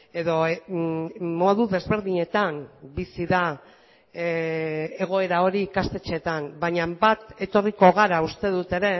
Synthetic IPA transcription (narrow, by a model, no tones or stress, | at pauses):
e̞ðo̞ | moðuðe̞zβe̞ɾðiɲe̞t̪ambisiða | e̞ɣ̞o̞e̞ɾao̞ɾiːkast̪e̞t͡ʃe̞t̪anbaɲambat̪e̞t̪o̞riko̞ɣaɾaust̪e̞ð̞ut̪e̞ɾe̞